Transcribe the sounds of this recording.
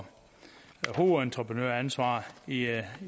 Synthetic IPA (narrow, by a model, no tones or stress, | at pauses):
hoːent͡sʰʁɐpʰʁənø̰ɐ̰ænsʋɑ̰̈ːi